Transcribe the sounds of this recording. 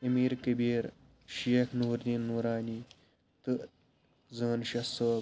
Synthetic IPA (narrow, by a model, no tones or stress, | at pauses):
ɐmiːɾkɐbiːɾ | ʃiekʰnuːɾninːuːɾaːni | t̪ɨ | zəːnʃɐsə